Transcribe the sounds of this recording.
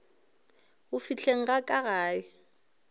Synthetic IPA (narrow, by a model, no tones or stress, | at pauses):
ʊfit͡ɬʰeŋ̩ɣakʼaɣaːjɪ